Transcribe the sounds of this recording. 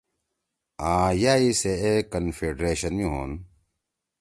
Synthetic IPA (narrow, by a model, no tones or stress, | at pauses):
ãːjaːiseekɐnfeːɖɾeːɕɐnmĩɦoːn